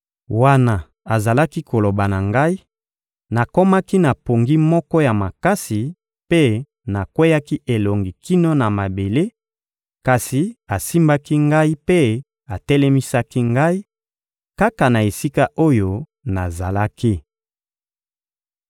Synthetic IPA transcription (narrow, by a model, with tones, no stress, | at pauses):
wa˦na˨ | a˨za˨la˦ki˦ko˨lo˨ba˨na˨ŋɡa˦i˦ | na˨ko˦ma˦ki˦na˨po˨ŋɡi˦mɔ˦kɔ˦ja˨ma˨ka˦si˨ | pe˦ | na˨kwe˦ja˦ki˦ʔe˨lo˨ŋɡi˨ki˦no˦na˨ma˨be˨le˦ | ka˨si˨a˨si˦mba˦ki˦ŋɡa˦i˦pe˦ | a˨tɛ˦lɛ˦mi˦sa˦ki˦ŋɡa˦i˦ | ka˦ka˨na˨e˨si˦ka˦ʔo˦jo˦ | na˨za˨la˦ki˦